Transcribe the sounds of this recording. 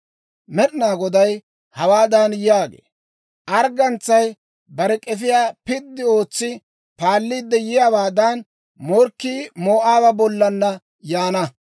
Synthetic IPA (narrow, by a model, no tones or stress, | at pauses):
mɛɗɪnaːɡɔd̪ɐj | hɐwaːd̪anjjaːɡḛː | ʔɐɾɡɐnt͡sːɐj | bɐɾɛkʼɛfɪjaːpɪd̪ːɪo̞ːt͡sːɪ | paːlːiːd̪ːɛjɪjaːwaːd̪ɐn | mɔɾkːiːmo̞ːʔaːbɐbɔlːɐnːɐ | jaːnɐ